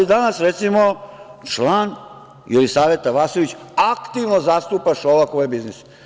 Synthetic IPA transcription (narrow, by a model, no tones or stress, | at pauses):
id̪anasɾet̪simo | t͡ʃlaːn | jelisaːʋe̞t̪ːaʋasoʋit͡ɕakt̪iʋnozast̪upaʃolakojebiznis